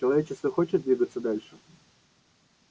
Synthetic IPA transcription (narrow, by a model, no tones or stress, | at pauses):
t͡ɕɪlˠɐvʲet͡ɕɪst̪vəxot͡ɕɪt̪̚d̪ʲvʲiɡət̪sːəd̪alʲʂɨ